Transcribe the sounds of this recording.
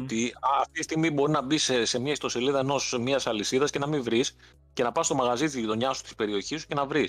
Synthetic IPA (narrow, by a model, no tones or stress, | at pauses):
t̪iːft̪itist̪iɣmibo̞ɾinɐbisse̞mɲɐist̪o̞se̞liðɐeno̞smiɐsɐlisiðɐsce̞nɐmiɱvɾis | ce̞nɐpɐst̪o̞mɐɣɐzit̪izit̪o̞ɲɐsu̥t̪i̥spe̞ɾio̞çisu̥ce̞nɐvɾis